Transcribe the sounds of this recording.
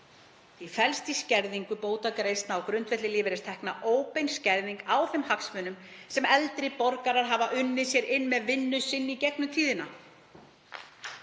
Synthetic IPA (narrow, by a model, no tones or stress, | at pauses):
θifɛlst̪iscɛɾðiŋkʏpoːwt̪akɾeːjst̪naːwkɾʏnt̪fɛt̪lɪlɪːvɪɾɪst̪ʰɛhknaʔoːwpejnscɛɾðiŋkawθɛmhaksmʏːnʏmsɛmɛlt̪ɾɪpɔɾkaɾaɾ̥ɦavaʔʏnːɪsjɛɾɪnːmɛðvɪnːʏsɪnːicɛknʏt̪ʰiːðɪna